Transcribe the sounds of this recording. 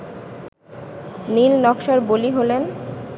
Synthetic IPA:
nilnɔkʃɔɾboliɦolen

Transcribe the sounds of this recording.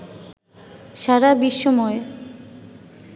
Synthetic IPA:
ʃaɾabiʃːomɔe

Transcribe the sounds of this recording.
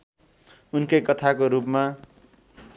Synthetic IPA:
unkejkʌt̪ʰakoɾupma

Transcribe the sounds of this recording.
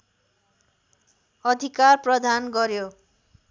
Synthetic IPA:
ʌd̪ʱikaɾpɾɔd̪ʱanɡɔɾjo

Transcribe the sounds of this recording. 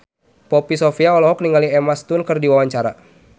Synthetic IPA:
pɔpisɔfiaɔlɔɦɔk̚niŋaliɛmast̪unkɨrdiwawaɲt͡ʃaɾa

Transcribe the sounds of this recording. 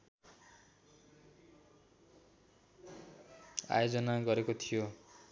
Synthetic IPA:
a̰jod͡zʌnaɡʌɾekot̪ʰijo

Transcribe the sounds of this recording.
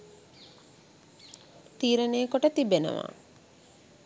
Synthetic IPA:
t̪iːɾənejəkuʈət̪ibenə̰ʋa̰ː

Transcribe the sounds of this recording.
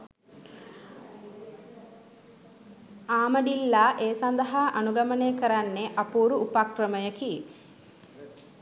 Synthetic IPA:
aːməɖilːaʔeːsand̪əɦaʔanuɡaməneːkəɾanːeʔapuːɾuːpakrəməjəki

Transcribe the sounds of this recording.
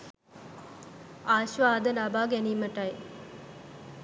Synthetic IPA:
aːʃʋaːd̪əlabaːɡæniːməʈɐj

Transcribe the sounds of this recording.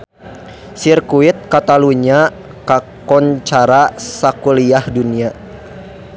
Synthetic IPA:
sirkuit̪̚kat̪aluɲa | kakɔɲt͡ʃaɾasakuliahdunia

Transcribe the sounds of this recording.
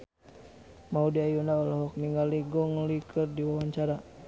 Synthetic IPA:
maudiajunaɔlɔɦɔk̚niŋɡaliɡɔŋlikʰərdiwawaɲt͡ʃaɾa

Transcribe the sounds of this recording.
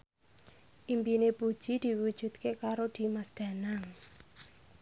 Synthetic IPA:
ʔimpinepud̥ʒ̥id̪̥i̤wu̥d͡ʒ̥ṳt̪kekaɾod̪̥i̤masd̪̥a̤naŋ

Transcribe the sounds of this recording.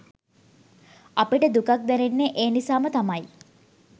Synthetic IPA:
ɐpiʈəd̪ukak̚d̪ɛnenːeʔeːnisaːmət̪amɐj

